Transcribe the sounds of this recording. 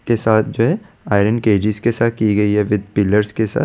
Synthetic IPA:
kesaːt̪ʰd͡ʒoːɦɛ | aːɪɾə̃nkeːd͡ʒɪzkesaːt̪̚ʰkiɡɐiɦɛʋɪd̪̚pɪləɾzkesa̰ː

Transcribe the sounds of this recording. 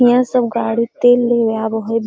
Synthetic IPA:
ijãsəbɡaːɽit̪eːlːeʋjabəɦb

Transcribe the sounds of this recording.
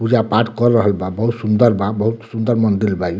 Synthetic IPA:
pud͡ʒapaʈkɔɾːəɦəlbãbəɦut̪sund̪əɾbãbəɦut̪sund̪əɾmənd̪ilbaj

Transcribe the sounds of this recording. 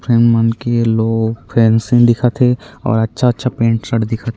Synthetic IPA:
pʰɾeːmːənkeloːɡpʰɛːnsɪ̃d̪ɪkʰat̪ʰeɔ̰ːɾɐtːʃʰaɐtːʃʰapẽːɳʈsɐɽd̪ɪkʰat̪ʰe

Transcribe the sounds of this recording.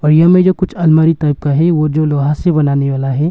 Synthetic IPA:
ɔːɾjɐɦmẽd͡ʒoːkʊt͡ʃʰɐlmaːɾit̪aːp̚kaɦɛʋod͡ʒoːloːɦasebɐnaːneʋaːlaɦɛː

